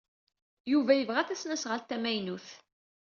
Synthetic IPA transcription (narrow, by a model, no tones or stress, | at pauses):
juvæjəvʁæθæsnæsʁəlt̪ːæmæjnuθ